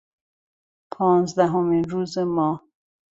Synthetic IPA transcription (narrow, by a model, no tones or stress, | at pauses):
pʰɒːnzd̪æɦomiːnɾuːzemɒːh